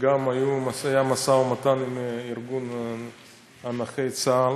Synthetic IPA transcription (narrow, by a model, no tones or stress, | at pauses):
ɡamajumasajamasaomat̪animiɾɡun | anaχejt͡sal